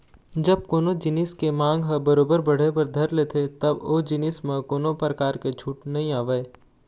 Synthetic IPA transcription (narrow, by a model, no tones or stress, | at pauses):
d͡ʒɐb̚koːnod͡ʒɪnɪskemãːŋɡɦɐbɐɾoːbəɾbɐɽ̤epɐɾd̪ʱɐɾleːt̪ʰet̪ɐboːd͡ʒɪnɪsmẽkoːnopɾəkaːɾket͡ʃʰuːʈnɐɦĩaːʋəe